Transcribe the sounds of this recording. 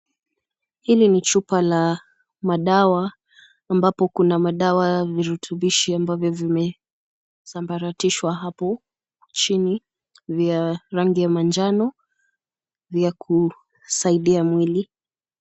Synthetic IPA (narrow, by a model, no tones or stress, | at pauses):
hilinit͡ʃupala | maɗawaː | mbapɔkunamaɗawaviɾutʰuɓiʃiambavjɔvimɛ | sambaɾatiʃwaɦapɔ | t͡ʃini | viaɾaŋɡijamand͡ʒanɔ | vjakʰu | saiɗiamwili